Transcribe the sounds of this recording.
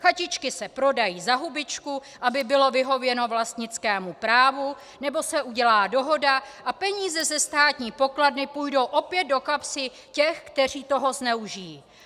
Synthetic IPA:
xacɪt͡ʃkɪsɛpɾo̞dajiːzaɦubɪt͡ʃkuʔabɪbɪlo̞vɪɦo̞vjɛno̞vlast̪ɲɪt͡skɛːmupɾaːvu | nɛbo̞sɛʔuɟɛlaːdo̞ɦo̞daʔapɛɲiːzɛzɛst̪aːt̪ɲiːpo̞kladnɪpujdo̞wʔo̞pjɛd̪̚do̞kapsɪ | cɛxkt̪ɛr̝iːt̪o̞ɦo̞znɛuʒɪji

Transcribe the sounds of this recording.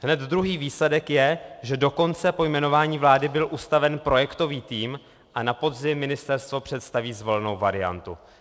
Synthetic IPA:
ɦnɛd̪d̪ɾuɦiːviːslɛdɛkjɛʒɛdo̞ko̞nt͡sɛpo̞jmɛno̞vaːɲiːvlaːdɪbɪlʔust̪avɛnpɾo̞jɛkt̪o̞viːt̪iːm | ʔanapo̞dzɪmːɪnɪst̪ɛɾst̪vo̞pr̝̥ɛt̪st̪aviːzvo̞lɛno̞wvaɾɪa̰nt̪ṵ

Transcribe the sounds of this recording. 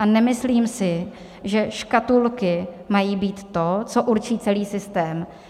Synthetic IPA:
ʔanɛmɪsliːmsɪ | ʒɛʃkat̪ulkɪmajiːbiːt̪ːo̞t͡soʔuɾt͡ʃiːt͡sɛliːsɪst̪ɛːm

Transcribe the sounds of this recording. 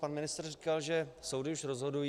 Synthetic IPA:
panmɪnɪst̪rrikalʒɛsowdɪuʃɾozɦo̞duj

